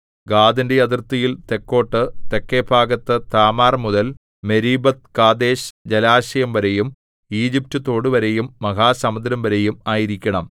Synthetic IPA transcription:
ɡaːd̪indejɐðirt̪ːɐjilt̪e̞kːo̞ːʈːɨt̪e̞kːeːbʰʱaːɡɐt̪ːɨt̪aːmaːrmuðɐl | me̞ɾiːbɐt̪̚kaːd̪e̞ːɕd͡ʑelaːɕɐjɐmʋɐɾe̞jum | iːd͡ʑip̚tɨt̪ːo̞ːɽɨʋɐɾe̞jumːɐɣaːsɐmɐd̪ɾɐmʋɐɾe̞jumaːjiɾikʲːɐɳɐm

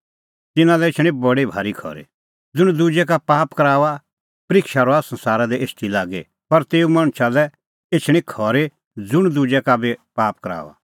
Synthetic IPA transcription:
t̪ɪnãlɛet͡ʃʰɽ̃ĩbɐɽebʱa̰ːɾikʰɔ̰ːɾḛ | d͡zʊɽ̃d̪ud͡ʒɛk̬apaːpkɐɾaːʋa | pɾɪkʃaɾɔasɐ̃nsaːɾad̪ɛeːsʈilaːɡḛ | pɐɾt̪eːumɐɽ̃t͡ʃʰalɛ | et͡ʃʰɽ̃ikʰɔːɾe | d͡zʊɽ̃d̪ud͡ʒɛkabepaːp̚kɐɾa̰ːʋa̰

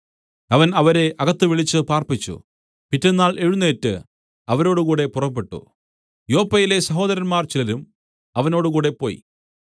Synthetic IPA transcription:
ɐʋɐnɐʋɐɾe̞ʔɐɣɐt̪ːɨʋiɭit͡ɕːɨpaːrpit͡ɕːṵ | pitːenːaːɭʔe̞ɻunːeːtːɨ | ɐʋɐɾo̞ːɽukuːɽe̞purɐpːe̞ʈːṵ | jo̞ːpːɐjile̞sɐɦo̞ːd̪ɐɾɐnmaːrt͡ɕilɐɾum | ɐʋɐnoːɽukuːɽe̞pːo̞ːjḭ

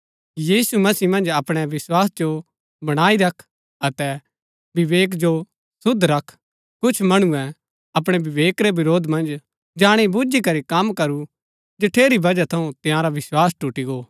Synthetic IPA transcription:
jiːsumɐsiːmɐ̃nd͡ʒɐpɽ̃ɛʋɪswaːsd͡ʒo | bɐɽ̃aːiɾɐkʰ | ɐt̪ɛ | bɪʋeːk̬d͡ʒo | sʊd̪ʱɾɐkʰ | kʊt͡ʃʰmɐɽ̃uɛ | ɐpɽ̃ɛbɪʋeːkɾɛbɪɾoːd̪ʱmɐ̃nd͡ʒ | d͡ʒaːɽ̃ebud͡ʒikɐɾikɐmkɐɾu | d͡ʒɪʈʰːeːɾibɐd͡ʒat̪ʰɐũt̪ɪ̃jãɾaʋɪswaːsʈuʈiɡoː

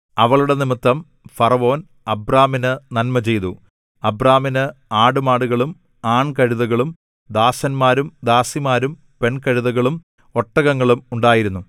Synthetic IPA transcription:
ɐʋɐɭuɽenimit̪ːɐm | fɐrɐʋo̞ːn | ɐbraːminɨnɐlmɐt͡ɕe̞jt̪u | ɐbraːminɨaːɽumaːɽuɣɐɭum | aːɳkɐɻuðɐɣɐɭum | d̪aːsɐnmaːɾumd̪aːsimaːɾum | pe̞ɳkɐɻuðɐɣɐɭum | o̞ʈːɐɣɐŋːɐɭumuɳɖaːjiɾunːu

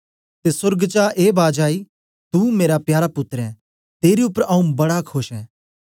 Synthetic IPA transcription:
t̪esʊɾɡt͡ʃaːʔeːbaːd͡ʒaːi | t̪umeːɾapjaːɾapʊt̪ɾɛ̃ | t̪eːɾiʊpːəɾɐ̃ũbɐɽakʰoʃɛː

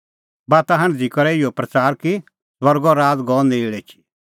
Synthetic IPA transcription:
baːt̪aɦɐ̃ɽ̃d͡zikɔɾɛɪjɔpɾɐt͡saːɾki | swɐɾɡɔɾaːd͡zɡɔːndeɭɛt͡ʃʰi̥

